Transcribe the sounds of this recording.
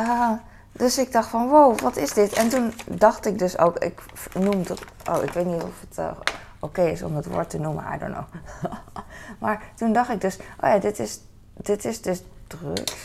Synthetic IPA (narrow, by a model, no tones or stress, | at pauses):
d̥øsɪɡ̚dɑxtfɔnʋowʋɔtɪsdɪtɛntundɑxtɪk̚døso̰ːkɪ̰k | numdʔo̰ːɪ̰kʋejtnitɔfət | ʔokejɪsɔ̰mətʋʊ̰ːɹtənumə̰a̰jdo̰no̰ | maɹtundɑxtɪɡ̚døsʔo̰ːjadɪtɪs | d̥ɪtɪsdøsd̥rø̰k